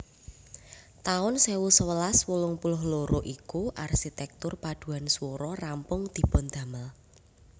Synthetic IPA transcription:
t̪aʊnsewusəwəlaswulʊŋpulʊhloɾoʔikuʔarsit̪ɛk̚t̪ʊrpad̪̥ṳanswoɾɔrampʊŋd̪̥i̤pʊnd̪̥a̤məl

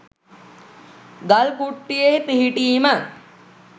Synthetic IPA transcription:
ɡɐlkuʈːijeːt̪iɦiʈiːmə

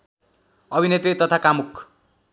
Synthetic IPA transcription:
ʌbʱinet̪ɾit̪ʌt̪ʰakamukʰ

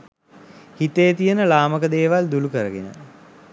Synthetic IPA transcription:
hit̪eːt̪ijənəlaːməkəd̪eːʋald̪ulukəɾəɡḛnə̰

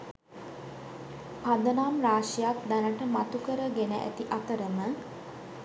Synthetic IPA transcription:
pad̪ənaːmɾaːʂijak̚d̪ænəʈəmat̪ukəɾəɡenəʔæ̰t̪iʔat̪əɾəmə

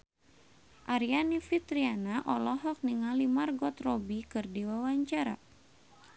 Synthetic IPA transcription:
ʔaɾianifit̪ɾianaʔɔlɔɦɔk̚niŋalimarɡɔt̪rɔbikɨrdiwawaɲt͡ʃaɾa̰

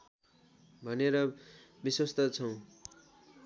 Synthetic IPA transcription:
bʱʌneɾʌ | biswʌst̪ʌt͡sʰʌw̃

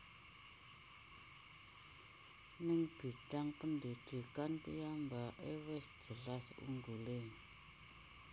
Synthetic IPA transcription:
nɪŋb̥i̤taŋpənded̥ṳkant̪ḭjambaʔewɛsd͡ʒ̥ə̤lasṵŋɡulɪŋ

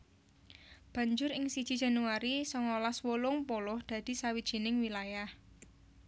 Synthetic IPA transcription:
b̥a̤ɲd͡ʒʊɾɪŋsid̥ʒ̥i̤dd͡ʒ̥a̤nuaɾisɔŋolaswolʊŋpolʊhd̪̥ä̤d̪̥i̤sawid̥ʒ̥i̤nɪŋwilajah

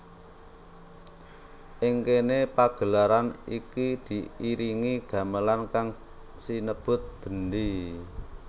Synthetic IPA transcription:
ʔɪŋkenepaɡ̥ə̤laɾanikid̪̥i̤iɾiŋiɡ̥a̤məlankaŋ | sinəb̥ʊ̤t̪̚b̥ə̤nd̪i

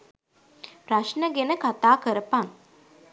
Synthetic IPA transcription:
ɾaʃnəɡenəkat̪aːkəɾəpan

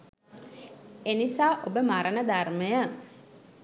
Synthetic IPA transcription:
enisaːʔobəmaɾənəd̪arməjə

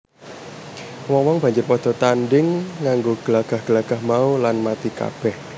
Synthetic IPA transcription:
wɔŋwɔŋb̥a̤ɲd͡ʒʊrpɔd̪̥ɔ̤t̪anɖɪŋːaŋɡoɡ̥əlaɡ̥a̤hɡ̥əlaɡ̥a̤hmaulanmat̪ika̰b̥ɛh

